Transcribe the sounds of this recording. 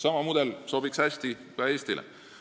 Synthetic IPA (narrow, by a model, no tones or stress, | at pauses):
sɑmɑmud̪̥elso̞b̥iksæsʲt̪i | kɑe̞ːsʲt̪ilʔɛ̰